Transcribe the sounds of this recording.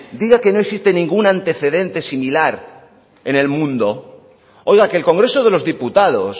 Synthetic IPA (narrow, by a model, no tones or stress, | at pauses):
d̪iɣake̞no̞eksist̪e̞nĩŋɡunant̪e̞θe̞ðe̞nt̪e̞similaɾ | ene̞lmũnd̪o̞ | o̞jɣakeːlko̞ŋɡɾe̞soð̞elo̞zðiput̪aðo̞̰s